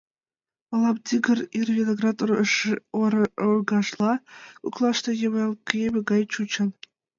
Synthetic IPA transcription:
ɑlˠɑp̚tʲiɡɘ̆rirvʲenʲoɡrɑt̪ | oɾɡɑʂlˠɑkuklˠɑʂt̪ɑjeʋelkʲjebʲĕɡɑjt͡ɕut͡ɕɤ̆n

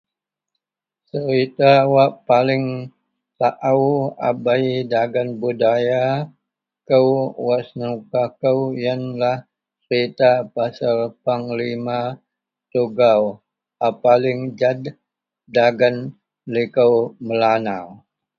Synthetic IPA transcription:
səɾit̪awaʔpalɪŋ | saʔawa̰baidaɡanbudaja | kəwwasnukakəwjanlah | səɾit̪apasarpaŋlima | t̪uɡaw | apalɪŋd͡ʒadː | aɡan | likəwməlanaw

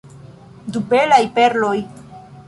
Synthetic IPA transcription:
dube̞lajpe̞ɾlo̞j

